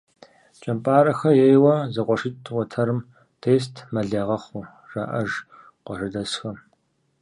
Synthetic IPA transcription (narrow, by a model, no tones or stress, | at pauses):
t͡ʃʼɐmpʼaːɾɐxɐjejwɐzɐqʷɔʂɪtʼʰwɐtʰɐɾɨm | tʰeːs̬tʰmɐɮɐːʁɐχʷʊ | ʒa̰ːʔɐʒ | qʷɔʂɨdɐsxɐm